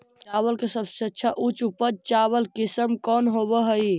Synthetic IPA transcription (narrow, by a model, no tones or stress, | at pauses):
t͡ʃaβəlkesəbseətːt͡ʃʰaʔut͡ʃupəɾt͡ʃaβəlkisəmkɔnɦobəɦəi